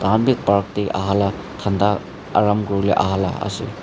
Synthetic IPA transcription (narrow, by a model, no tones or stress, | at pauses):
d̪anbit̚paɹk̚t̪ejʔa̰ɦala | t̪ʰand̪a | aɹamɡɔɹulɛ̰ʔa̰ɦala̰a̰sḭl